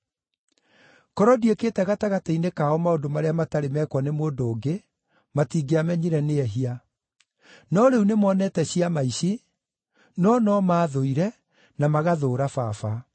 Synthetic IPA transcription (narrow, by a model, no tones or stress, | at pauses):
kɔɾɔdiekeːtɛɣataɣatainekaɔmaondomaɾeamataɾemɛkwɔnemondoːŋɡe | matiɡeamɛɲiɾɛneɛɦia | nɔɾeunemɔːnɛtɛɕiamaiɕi | nɔnɔmaːðoiɾɛ | namaɣaðoːɾafafa